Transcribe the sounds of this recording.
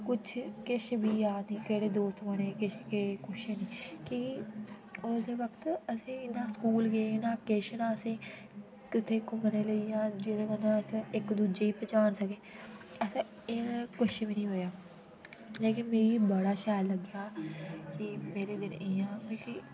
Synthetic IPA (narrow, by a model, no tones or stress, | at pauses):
kʊt͡ʃʰkɪʃbiːjaːniːkeɽeːd̪oːst̪məɽeːkɪʃkeːkʊʃenĩːkiːki | sd̪eːʋəkt̪əsẽːnãːskuːlɡeːnãːkɪːʃnãːəsẽː | kɪt̪ʰeːkʊməneːləijãːd͡ʒɪd̪ẽɡənãːsɪkd̪uːd͡ʒeːiːpət͡ʃaːnsəkeːəs | eːkʊʃʋiːnĩːɦoːjaː | leːkɪnmeːiːbəɽaːʃaːjlləɡjaːkɪmeːɾeːd̪ɪnɪjãːbẽːki